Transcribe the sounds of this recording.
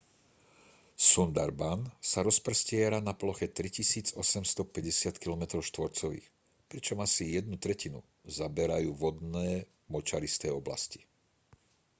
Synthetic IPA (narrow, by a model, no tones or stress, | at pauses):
sund̪aɾbansaɾɔspr̩scɪɛɾanaplɔxɛt̪ɾicisiːd͡zɔsɛmst̪ɔpɛɟɛsɪat̪kilɔmɛt̪ɾɔʊʃt̪ʋɔɾt͡sɔʋḭːx | pɾit͡ʃɔmasijɛd̪̚nut̪ɾɛcinṵ | zabɛɾajuːʋɔd̪nɛː | mɔt͡ʃaɾist̪ɛːɔbla̰sci̥